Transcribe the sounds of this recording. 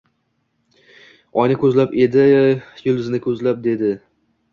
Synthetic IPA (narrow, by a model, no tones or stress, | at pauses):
ɒjnɪkʰʲɵzlape̞d̪ɪjʊld̪ɪznɪkʰɵzlap̚d̪e̞d̪ɪ